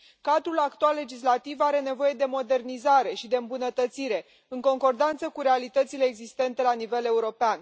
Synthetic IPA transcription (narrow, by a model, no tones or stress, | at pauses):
kad̪ɾulakt̪oalːe̞d͡ʒis̬lat̪ivaɾe̞ne̞vo̞je̞d̪e̞mo̞d̪e̞rnizaɾe̞ʃid̪e̞ɨmbunət̪ət̪siɾe̞ | ɨŋko̞ŋko̞rd̪ant̪səkuɾe̞alit̪ət̪sile̞ːɡzist̪e̞nt̪e̞lanive̞le̞uɾo̞pean